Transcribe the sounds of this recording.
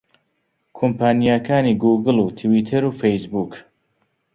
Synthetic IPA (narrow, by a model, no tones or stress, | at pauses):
kʰompaːnijakʰaːniɡuːɡɨlˠuːt̪ʰɨwiːt̪ʰɐɾuːfejsbuːk